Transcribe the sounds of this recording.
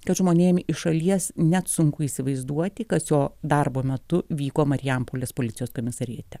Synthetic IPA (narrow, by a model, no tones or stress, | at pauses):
kɐt̪ʒmoːnʲeːmʲɪʃɐlʲiɛsnʲɛt̪sʊŋkʊiːsʲɪʋɐɪzd̪uɔt̪ʲɪkɐsjoːd̪ɐrboːmʲɛt̪ʊʋʲiːkoːmɐɾʲɪjɛmpoːlʲeːspoːlʲɪt̪t͡s̪ʲɪjoːskoːmʲɪsɐɾʲiɛt̪ʲɛ